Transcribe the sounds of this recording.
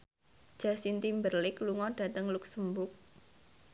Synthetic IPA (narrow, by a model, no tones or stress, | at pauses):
d̥ʒ̥a̤sint̪imbərlɪkluŋɔɖ̥a̤t̪əŋluksəmbʊk̚